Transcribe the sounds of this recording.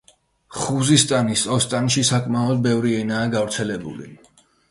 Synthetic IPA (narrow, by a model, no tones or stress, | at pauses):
χuzist̪ʼanisʼɔst̪ʼanʃisakʼmaɔd̪̚bɛvɾiɛnaːɡavɾt̪sʰɛlɛbṵlḭ